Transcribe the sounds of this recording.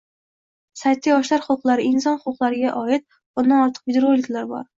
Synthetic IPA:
sajt̪̚kʲajɒʃlaɾχʊqlˠaɾɪɪnsɒnχʊʊqlˠaɾɪɡʲaʔɒɪt̪̚ | b̥ʊnd̪anɒɾt̪ʰɨ̥qvid̪ɾolːɪkʲlaɾbɒ̰ɾ

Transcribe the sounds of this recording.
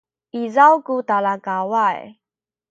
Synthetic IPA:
ʔizawkut̪alakawaj

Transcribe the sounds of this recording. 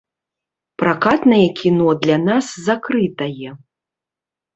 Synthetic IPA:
pɾakat̪nɐjɛkʲʰinɔd̪lʲanaszakɾɨt̪ɐjɛ

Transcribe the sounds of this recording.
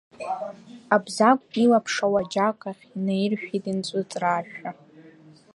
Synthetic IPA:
abzakʷʼilapʰʂawad͡ʒakʼaχʲinejrʃʷᶣitʼint͡sʷʼʊt͡sʼraʒᶣa

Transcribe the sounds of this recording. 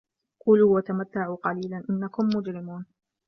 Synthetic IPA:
quːluːwat̪amat̪ːaʕuːqɑliːlanʔɪnːakʊmːʊd͡ʒɾɪmuːn

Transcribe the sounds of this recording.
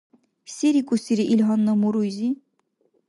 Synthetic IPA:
sʲeɾikʼusiɾiʔilɦɑnːamuɾujzi

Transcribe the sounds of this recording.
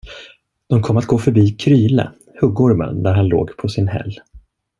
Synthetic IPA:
d̪̥ɔmkʰɔmːat̪̚ɡoːfœɾbiːkʰɾyːlə̰ | hɵɡuːɾmə̰nd̪æɾhanlo̰ːɡpʰɔsɪnhɛ̰lː

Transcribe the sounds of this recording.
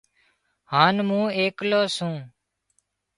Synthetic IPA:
haːnmũːeːkloːsũː

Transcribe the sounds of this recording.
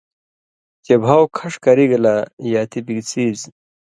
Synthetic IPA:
t͡ɕebʱawkʰɐʂkɐɾiɡɐlajaːt̪ibiɡt͡siːz

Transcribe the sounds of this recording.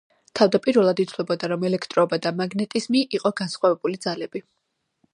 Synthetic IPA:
t̪ʰavd̪apʼiɾvɛlˠad̪it̪sʰlɛbɔd̪aɾɔmɛlɛkʰt̪ʼɾɔbad̪amaɡnɛt̪ʼizmiʔːqʼɔɡansχwavɛbulid̪zalɛb̥i

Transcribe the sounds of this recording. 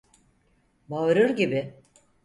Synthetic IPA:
baɯɾɯɾɟibɪ

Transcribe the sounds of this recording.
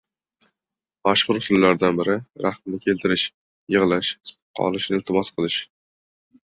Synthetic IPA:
maʃqʊɾʊsʊnlaɾd̪anbɪɾɪɾaχmnɪkʲʰe̞lt̪ʰɪɾɪʃ | jɨʁlˠaʃ | qʰɒ̰lˠɪʃnɪɪlt̪ʰɪmɒsqʰɨlˠɪʃ

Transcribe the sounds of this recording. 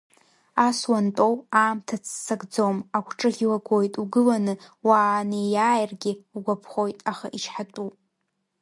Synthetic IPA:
aswantʼo̞waːmtʰat͡sʰːaɡd͡zomakʷʰʈ͡ʂʼɨʁʲilaɡʷo̞jtʼuɡɨlanɨwaːnejaːjrɡʲɪɡʷapʰχo̞jtʼaχaʔiʃħatʼu

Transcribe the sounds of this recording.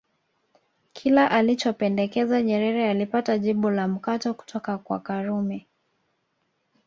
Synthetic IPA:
kʰilaʔalit͡ʃɔpɛndɛkɛzaɲɛɾɛɾɛalipataʄiɓulam̩katɔku̥tʰɔkakwa̰kaɾumɛ

